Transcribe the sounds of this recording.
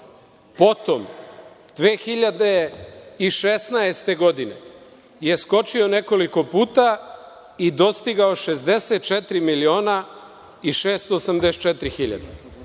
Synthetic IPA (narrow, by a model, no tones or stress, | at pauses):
po̞t̪om | d̪̥ʋeːxiʎad̪eiʃesnaest̪e̞ɡo̞d̪ine̞̰ | je̞sko̞t͡ʃio̞ne̞ko̞liko̞puːt̪a | id̪o̞st̪iɡaoʃezd̪eset̪̚t͡ʃet̪ɾimilio̞ːna | iʃeːst̪oːsamd̪ese̥t̪̚t͡ʃet̪ɾixiʎa̰d̪e